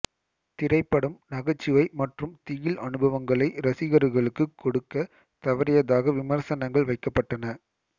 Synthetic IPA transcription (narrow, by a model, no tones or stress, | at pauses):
t̪ɪɾɐɪpːɐɽɯmnɐɣɐt͡ʃːɪʋɐɪmɐʈrɯmt̪ɪɣɪlʔɐnɯbɐʋɐŋɡɐɭɐɪɾɐsɪɣɐɾɯɣɐɭɯkːɯkːɔɽɯkːɐ | t̪ɐʋɐɾɪjɐðaːɣɐʋɪmɐɾsɐnɐŋɡɐɭʋɐɪkːɐpːɐʈːɐnɐ